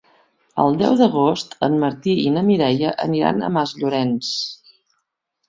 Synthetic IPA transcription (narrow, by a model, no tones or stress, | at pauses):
ə̰lˠd̪ɛ̰wðəɣost̪ə̰mməɾt̪iinəmiɾɛjəʔə̰niɾa̰nə̰mazʎuɾɛns